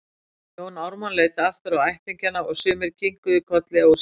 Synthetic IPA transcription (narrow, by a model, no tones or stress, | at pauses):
jownawɾmanleːjt̪aft̪aɾawajht̪ʰiɲcanaɔɣsʏːmɪɾcʰiŋkʏðɪkʰɔt̪lɪaɣɔs